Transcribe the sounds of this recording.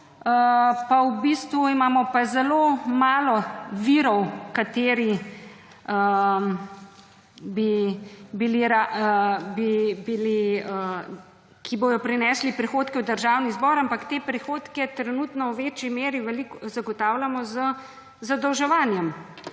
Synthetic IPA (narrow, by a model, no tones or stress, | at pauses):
əpawbist̪ʋuimaːmɔpazɛloːmaːlɔʋiːɾɔwkat̪eːɾi | ə | bibiliɾa | bibiliə | kʰiboːd̪ɔpɾinɛːslipɾixoːt̪kɛwd̪əɾʒawnizbɔɾampakt̪eːpɾixoːt̪kɛt̪ɾɛnut̪nɔwʋeːt͡ʃimeːɾiʋɛlikzaɡɔt̪aːwlʲamɔzə | zad̪əwʒɛʋaːnjɛm